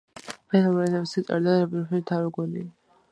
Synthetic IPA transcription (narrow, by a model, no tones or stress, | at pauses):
pʰɛnɔmɛnɛbsit̪sʼa̰ɾd̪aɾapʼiɾɔpʰilit̪ʰaɾɛɡɔnḭ